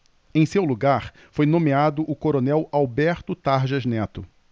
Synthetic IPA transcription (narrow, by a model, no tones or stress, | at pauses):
ẽj̃sewluɡaɾ | fojnõmead̪ʊʔʊkoɾonɛwawbɛɾt̪ʊt̪aɾʒɐznɛt̪ʊ